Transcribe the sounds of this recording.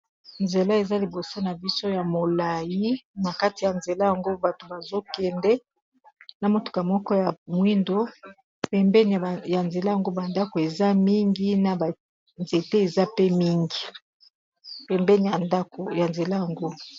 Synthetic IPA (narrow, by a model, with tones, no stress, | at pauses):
nze˨la˦e˨za˦li˨bo˨so˦na˨bi˦so˦ja˨mo˨la˨ji˦na˨ka˦ti˨ja˨nze˨la˦ja˨ŋɡo˦ba˨to˨ba˨zo˦kɛ˨ndɛ˦ | na˨mo˨to̥˨ka˨mɔ˦kɔ˦ja˨mwi˦ndo˦ | pɛ˨mbɛ˦n˨ja˨nze˨la˦ja˨ŋɡo˦ba˨nda˦ko˨e˨za˦mi˦ŋɡi˦na˨ba˨ | nze˨te˦e˨za˦pe˦mi˦ŋɡi˨ | pɛ˨mbɛ˦ni˨a˨nda˦ko˨ja˨nze˨la˦ja˨ŋɡo˦